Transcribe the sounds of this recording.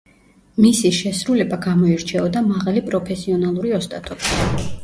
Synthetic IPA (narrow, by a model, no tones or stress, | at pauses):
misiʃɛsɾulɛbaɡamɔiɾt͡ʃʰɛɔd̪amaʁalipʼɾɔpʰɛsiɔnalˠuɾiɔst̪ʼat̪ʰʼɔbi̥